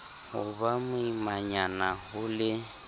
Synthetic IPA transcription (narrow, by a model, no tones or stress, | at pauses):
hʊbamʊimaɲanahʊlɪ